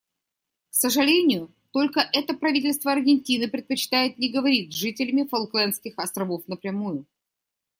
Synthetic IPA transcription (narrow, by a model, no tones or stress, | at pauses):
ksəʐɨlʲenʲɪjʊ | t̪o̞lʲkəʔɛt̪əpɾɐvʲitʲɪlʲst̪vəɐrɡʲɪnʲtʲinɨpɾʲɪt̪̚pət͡ɕɪ̥t̪ajɪt̪nʲɪɡəvɐɾʲit̪ʐɨtʲɪlʲɪmʲɪfɐlˠklʲˠɛnskʲɪxɐst̪ɾɐvo̞fnəpɾʲɪmujʊ